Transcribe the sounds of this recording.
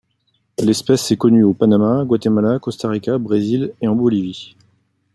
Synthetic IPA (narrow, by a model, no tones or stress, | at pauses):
lɛspɛsɛkɔnyopanamaɡwat̪emalakɔst̪aʁikʲabʁezileɑ̃bɔlivi